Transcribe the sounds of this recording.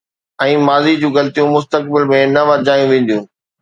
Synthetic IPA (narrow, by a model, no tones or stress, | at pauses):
ɛ̃ːmaːzid͡ʑũːɣɐlt̪ijũmʊs̬t̪ək̚bɪlmẽnɐʋɐɾd͡ʑaːjũʋẽːn̆d̪ijũː